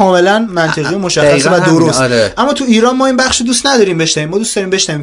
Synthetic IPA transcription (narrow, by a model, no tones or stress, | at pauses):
ɒːme̞lænmænt̪ʰeʁijemoʃæxæsevæd̪oɾoseʔæmːɒːt̪ʰuiːɾɒːnmɒːinbæχʃod̪ust̪næd̪ɒːɾiːmbe̞ʃnæviːmːɒːd̪ustd̪ɒɾiːmbe̞ʃnæviːm